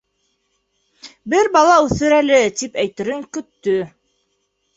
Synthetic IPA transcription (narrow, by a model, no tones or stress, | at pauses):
bɘɾbɑlˠɑʉθɘɾælɘt̪ipæjt̪ɘ̆ɾɘŋkɵ̆t̪ːɵ